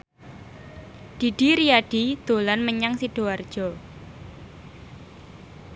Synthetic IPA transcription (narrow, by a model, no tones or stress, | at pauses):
d̪̥i̤ɖ̥iɾiaɖ̥id̪̥olanməɲaŋsiɖ̥o̤ard̥ʒ̥ɔ